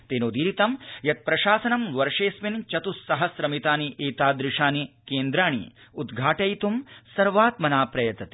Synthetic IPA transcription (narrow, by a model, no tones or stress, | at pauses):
t̪eːnoːd̪iːɾit̪ɐmjɐt̪̚pɾɐʃaːsɐnɐmʋɐɾʂeːsmint͡ʃɐt̪usːɐɦɐsɾɐmit̪aːniʔeːt̪aːd̪ɾɪʂaːnikeːnd̪ɾaːɳ̃ḭud̪ɡʱaːʈɐjt̪umsɐɾʋaːt̪mɐnaːpɾɐjɐt̪ɐt̪i̥